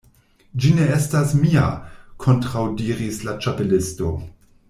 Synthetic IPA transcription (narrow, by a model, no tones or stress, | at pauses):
d͡ʒine̞estasmia̰kʰo̞ntɾawdiɾislat͡ʃape̞lɪsto̞